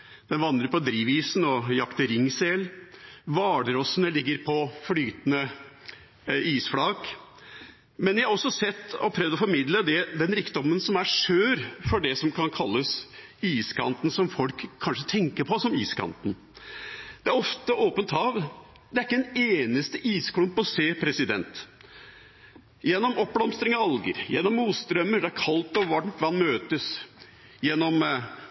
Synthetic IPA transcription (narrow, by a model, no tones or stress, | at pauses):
d̪̥ɛnʋɑnd̪ɾəɾpɔd̪ɾiːʋiːsnɔjɑkt̪əɾɪŋːselʋɑːɖəɾɔsənəlɪɡːəɾpʰɔflyːt̪nə | iːsflɑːk | mɛnjæhɑɾɔsːɔsɛt̪ːɔpʰɾɛʋd̪ɔfɔɾmɪd̪ləd̪ɛd̪ɛnɾiːkd̪ɔmːənsɔmæʂøːɾfɔɖɛsɔmkʰɑnkʰɑlːəs | iːskʰɑ̰nt̪n̩sɔmfɔlkʰːɑnʂət̪ʰɛŋkəɾpʰɔsɔmiːskʰɑ̰nt̪n̩ | d̪̥ɛæɾɔft̪əʔoːpənt̪hɑːʋ | d̪ɛæɾɪkːəd̪ɛneːnəst̪əʔiːskʰlʉmpɔseːpʰɾɛsɪd̪ɛ̰nt̪ | jɛnːɔmɔp̚ːblɑmst̪ɾɪŋɑɑlɡə̰ɾjɛnːɔmːuːt̪st̪ɾœmːəɖɛæɾkʰɑlt̪ɔʋɑɳt̪ʋɑnːmøːt̪əs | jɛnːɔm